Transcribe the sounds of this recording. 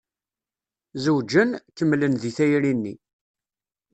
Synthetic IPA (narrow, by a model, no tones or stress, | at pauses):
zəwd͡ʒənkəmːlənðiθæjɾinːi